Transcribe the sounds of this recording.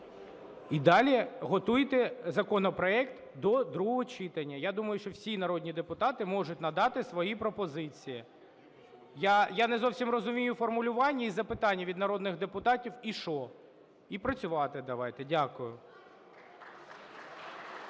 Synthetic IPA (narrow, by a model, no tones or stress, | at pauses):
id̪ɑlʲiɦɔt̪ujt̪ɛzɐkɔnɔpɾɔɛkt̪ | d̪ɔd̪ɾuɦɔɦɔt͡ʃit̪ɐnʲːɐjad̪umɐjʊʃt͡ʃɔwsʲinɐɾɔd̪ʲnʲid̪epʊt̪ɑt̪ɪmɔʒʊtʲnɐd̪ɑt̪ɪsʋɔjipɾɔpɔzɪt͡sʲiji | jajanɛzɔwsʲimrɔzʊmʲijʊfɔrmʊlʲʊʋɑnʲːɐizɐpɪt̪ɑnʲːɐʋʲid̪nɐɾɔd̪nɪɣd̪epʊt̪ɑtʲiwiʃɔ | ipɾɐt͡sʲʊʋɑt̪ɪd̪ɐʋɑjt̪ɛdʲakʊjʊ